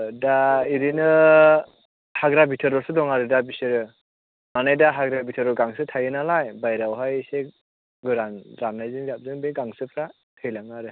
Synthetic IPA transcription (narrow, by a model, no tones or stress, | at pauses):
daiɾinɯ | haɡɾabitʰɯɾɔsɯdɔŋaɾɯdabisɯɾɯ | manajdaɦaɡɾabitʰɯɾɔɡaŋsɯtʰajɯnalajbajɾawɦajse | ɡɯɾanɾanajzɯŋzap̚zɯŋbeɡaŋsɯpʰɾa | tʰɯjlaŋaɾɯ